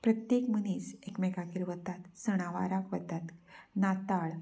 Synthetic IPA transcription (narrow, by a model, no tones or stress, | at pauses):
pɾət̪jekməniːsekmɛkakiɾʋət̪at̪səɽ̃aʋa̰ɾakʋət̪at̪nat̪aɭ